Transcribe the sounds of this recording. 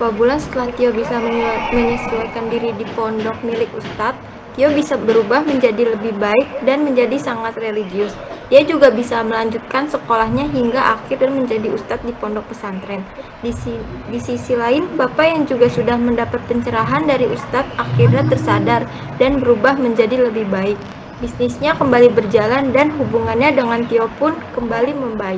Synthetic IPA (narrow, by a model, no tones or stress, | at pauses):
pabulansə̥t̪əlaht̪iobisaməɲəsiwajkandiɾidipɔndɔk̚milɪkust̪at̪̚ːiobisabəɾubahməɲd͡ʒadiləbɪhbaɪk̚danməɲd͡ʒadisaŋat̪reliɡiʊsdiad͡ʒuɡabisaməlaɲd͡ʒut̪̚kansəkolahɲaɦiŋɡaʔakɪrdaməɲd͡ʒadiust̪at̪̚dipɔndɔk̚pəsant̪ɾɛn | didisisilaɪnbapajaŋd͡ʒuɡasudahməndapat̪̚pəɲt͡ʃəɾaɦandaɾiust̪at̪̚akidat̪ːərsadar | danbəɾubahməɲd͡ʒadiləbɪhbaɪk̚ | bisnɪsɲakəmbalibərd͡ʒalandanɦubuŋanɲadəŋant̪iɔpʊnkəmbaliməmbaɪ